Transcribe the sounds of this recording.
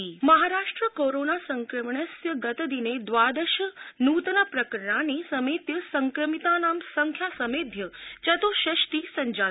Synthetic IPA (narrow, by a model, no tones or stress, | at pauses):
imɐɦaɾaːʂʈɾəkoɾonasəŋkɾəmɳəsjəɡɐt̪əd̪ined̪ʋad̪əʃənuːt̪napɾəkəɾəɳanisəmet̪jəsəŋkɾəmit̪anaːmsəŋkʰjasəmeːd̪ʱjət͡ʃɐt̪oʃəʃt̪isəɲd͡ʒa